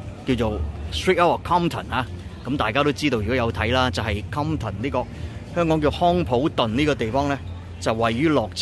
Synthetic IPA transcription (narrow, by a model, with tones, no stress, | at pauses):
kiː˧wt͡ʃo˨wst̪ɹiː˥t̚ɐ˥wɔ˨kʰɔː˥mt̪ʰɐ˨˩naː˨˧ | kɐ˨˦mt̪aː˨jkaː˥t̪o˥wt͡siː˥t̪o˧wjy˨kɔ˨˥jɐ˨˧wt̪ʰɐ˨˥jlaː˥t͡sɐ˨˩ɦɐ˨jkʰɐ˥mt̪ʰɐ˨˩nliː˥kɔː˧k̚hœː˥ŋkɔː˨˥ŋki˧o˨˧hɔː˥ŋpʰo˨˥wt̪ɵ˨nniː˥kɔː˧t̪e˨jfɔː˥ŋlɛː˥ | t͡sɐ˨wːɐ˨jːyː˥lɔː˨k̚t͡s